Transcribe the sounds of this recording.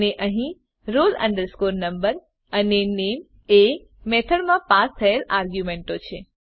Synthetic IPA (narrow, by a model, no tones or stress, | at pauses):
neʔəɦĩ | ɾolə̰̃ɳɖəɾskoɾnəmbəɾ | ənenem | e | mɛt̪ʰəɽmãpast̪ʰəelaɾɡjumẽɳʈot͡ʃʰe